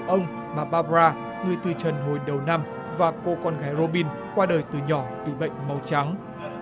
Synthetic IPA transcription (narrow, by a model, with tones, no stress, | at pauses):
ʔə˧wŋ͡m | maː˨˩ɓaː˧pzaː˧ | ŋɨ˨˩əjt̪ɨ˨˩t͡ɕə˨˩nɦo˨˩jɗə˨˩wna˧m | vaː˨˩ko˧kɔ˧nɣaː˨˦jɾo˧ɓi˧n | kwaː˧ɗəː˨˩jt̪ɨ˨˩ɲɔ˧˩t̪ɨ˨˩ɓə̰˧˨jŋ̟ma˨˦wt͡ɕa˨˦ŋ